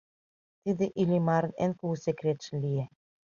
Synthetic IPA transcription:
t̪id̪eʔilʲimaɾnḛnkuusekɾet̪ʃlʲie

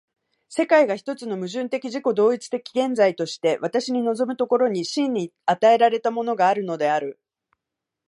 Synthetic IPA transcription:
se̞kaiɡaçi̥t̪o̞t͡sɨno̞mɯ̟ʑɨ̃nt̪e̞kʲiʑiko̞d̪o̞ːit͡sɨ̥t̪e̞kʲi̥ɡẽ̞nd͡zait̪o̞ɕi̥t̪e̞βat̪aɕiɲ̟ino̞zo̞mɯ̟t̪o̞ko̞ɾo̞ɲ̟iɕĩɲ̟ːiat̪ae̞ɾaɾe̞t̪amo̞no̞ɡaːɾɯ̟no̞d̪e̞aɾɯ̟

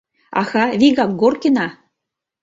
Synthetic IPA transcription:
ɑ̰xɑβiɣɑk̚ɡorkenɑ

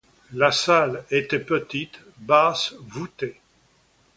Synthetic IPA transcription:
lasalet̪ɛpət̪it̪ | basvut̪e

